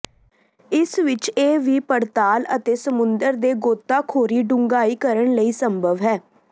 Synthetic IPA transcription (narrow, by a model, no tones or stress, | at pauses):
ɪsʋɪt͡ʃeːʋiːpəɾt̪aːlət̪eːsəmʊnd̪əɾd̪eːɡoːt̪ːaːkʰoːɾiːɖʊŋɡaːiːkəɾəɳləiːsəmbʱəʋɦɛː